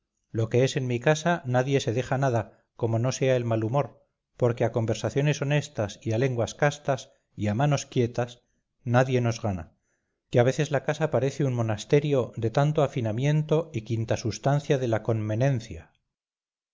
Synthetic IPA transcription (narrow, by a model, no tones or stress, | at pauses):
lo̞ke̞ese̞nmikasanaðje̞se̞ðe̞χanaða | ko̞mo̞no̞se̞ae̞lmalumo̞ɾ | po̞ɾkeako̞mbe̞ɾsaθjo̞ne̞so̞ne̞st̪asiale̞ŋɡwaskast̪as | iamano̞skje̞t̪as | naðje̞no̞zɣana̰ | keaβe̞θe̞zlakasapaɾe̞θeunmo̞nast̪e̞ɾjo̞ðe̞t̪ant̪oafinamje̞nt̪o̞ikint̪asust̪an̟θjaðe̞lako̞nme̞ne̞n̟θja